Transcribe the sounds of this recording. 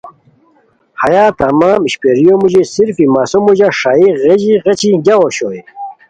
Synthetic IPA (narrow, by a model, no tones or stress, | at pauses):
hɐjaːt̪ɐmaːmiɕpeɾijomuʑisiɾfimaːsomuʑaʂaːiʁed͡ʑiʁet͡ɕiɡawoɕoːi